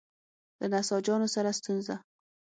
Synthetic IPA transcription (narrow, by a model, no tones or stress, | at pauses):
d̪̥ənasɔd͡ʒɑnosaɾast̪unza